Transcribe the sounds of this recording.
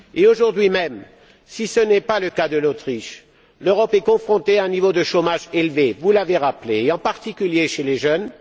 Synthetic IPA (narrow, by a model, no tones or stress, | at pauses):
eoʒuʁd̪ɥimɛm | sisənɛpaləkad̪əlot̪χiʃ | løʁɔpɛkɔ̃fχɔ̃t̪eaɛ̃nivod̪əʃomaʒelvevulaveʁapleːɑ̃paʁt̪ikʲyljeʃeleʒœn